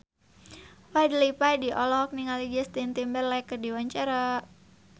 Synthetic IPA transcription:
wajdlipajdiʔɔlɔk̚niŋaliɡɛst̪int̪imbɛrlajkərdiwaɲt͡ʃaɾa

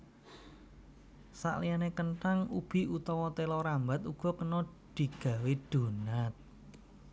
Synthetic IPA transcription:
sa̰ʔlijanekəɳʈaŋub̥i̤ut̪ɔwɔt̪elɔɾambat̪uɡ̥ɔ̤kənɔ | d̪̥i̤ɡ̥ä̤wed̪̥o̤nat̪̚

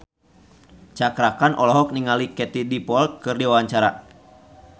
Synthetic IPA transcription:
t͡ʃakɾakanʔɔlɔɦɔk̚niŋalikɛt̪idipɔlt̪̚kɨrdiwawaɲt͡ʃaɾa̰

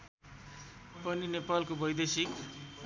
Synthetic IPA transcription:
pʌninepalkobʌjd̪esik

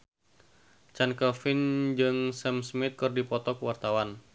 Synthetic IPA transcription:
t͡ʃankəfɪnd͡ʒɨŋsɛmsmɪt̪̚kɨrdipɔt̪ɔkəwart̪awan

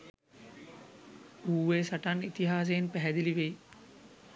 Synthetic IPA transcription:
uːʋeːsaʈanit̪iɦaːs̬ejnpæɦɛd̪iliʋej

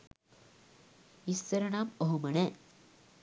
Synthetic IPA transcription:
isɐɾɐɳaːmɐɦumɐɳeː

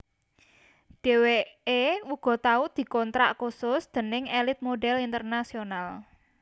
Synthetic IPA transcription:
ɖ̥e̤weeuɡ̥ɔ̤t̪aʊd̪̥i̤kɔnt̪ɾaʔkusʊsd̪̥ə̤nɪŋɛlɪt̪̚moɖɛlint̪ərnasional

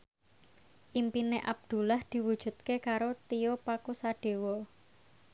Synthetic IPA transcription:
ʔimpineʔab̚d̪̥ṳlahd̪̥i̤wud̥ʒ̥ṳt̪̚kekaɾot̪iopakusaɖ̥e̤wɔ

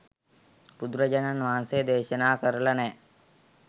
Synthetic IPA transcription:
pud̪ɾɐd͡ʒɐnanʋaːnsejd̪eːʃɐnaːkəɾəlɐnɛː

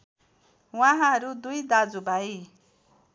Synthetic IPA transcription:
wãɦãɦʌɾud̪ujd̪ad͡zubʱai

